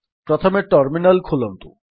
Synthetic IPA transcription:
pɾot̪ʰomeɾʈɔɾminalkʰulont̪ṵ

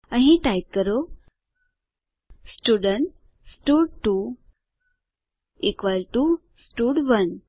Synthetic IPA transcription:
əɦĩʈajkəɾo | sʈuɖəɳʈ | sʈuɽʈu | ikʋəlʈu | sʈuɽʋən

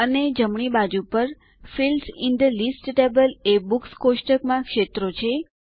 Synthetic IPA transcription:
əned͡ʒəmɳ̃ibad͡ʒupəɾ | filsɪnd̪əlisʈʈebəlebukskoʃʈəkmãkʃet̪ɾot͡ʃʰe

